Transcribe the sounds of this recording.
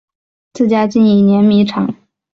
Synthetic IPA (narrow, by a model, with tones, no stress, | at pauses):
t͡sɹ̩˥˩t͡ɕja˥t͡ɕi˥˩ni˨˩njɛ˧˥nmi˧˥ʈ͡ʂʰɑ˨˩˦ŋ